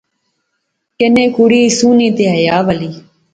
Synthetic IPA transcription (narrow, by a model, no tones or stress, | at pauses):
kenẽːkuɽiːsuːnĩːt̪eːɦəjaːʋəliː